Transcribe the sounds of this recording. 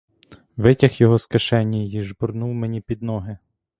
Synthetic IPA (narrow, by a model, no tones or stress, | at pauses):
ʋɪtʲɐxjɔɦɔskɐʃɛnʲːɐjiʒbʊrnuwmenʲipʲid̪nɔɦɪ